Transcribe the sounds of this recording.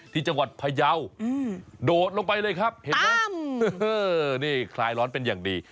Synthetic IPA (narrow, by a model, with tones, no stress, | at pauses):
t̪ʰiː˥˩t͡ɕa˧ŋwa˨˩t̪̚pʰa˧ja˧wɯː˧˩doː˨˩t̪̚lo˧ŋpa˧jlɤː˧jkʰa˦˥p̚he˨˦nlaː˦˥mɤː˧˩niː˥˩kʰlaː˧jɾɔː˦˥npe˧njaː˨˩ŋdiː˧